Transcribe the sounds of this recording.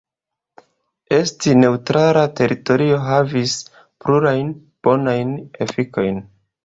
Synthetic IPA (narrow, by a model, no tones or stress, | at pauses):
e̞stine̞utɾalate̞ɾito̞ɾio̞ɦavis | pluɾajn | b̥o̞najnḛfiko̞jn